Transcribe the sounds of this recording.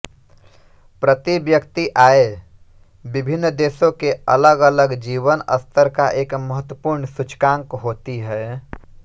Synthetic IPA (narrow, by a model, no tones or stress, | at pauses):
pɾət̪ibjəkt̪iʔaːe | bɪbʱɪnːd̪eːsõkeə̰ləɡələɡd͡ʒiːʋənə̰st̪ʰəɾkaʔeːkməɦət̪wəpuːɾɳsʊt͡ʃkãŋkɦoːt̪iɦɛ